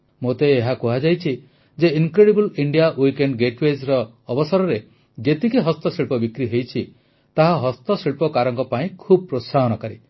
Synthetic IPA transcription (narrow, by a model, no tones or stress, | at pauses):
mot̪eːɦakuɦad͡ʒajt͡ʃʰi | d͡ʒeiŋkɾeɽibuliɳɖijawikeɳɖɡeʈwezɾɔː | bɔsaɾɔɾe | d͡ʒet̪ikeɦɔst̪ɔsiɭpɔbikɾiɦejt͡ʃʰi | t̪aɦaɦɔst̪ɔsiɭpɔkaɾɔŋkɔpaĩkʰub̚ɔpɾosaɦɔnɔkaɾi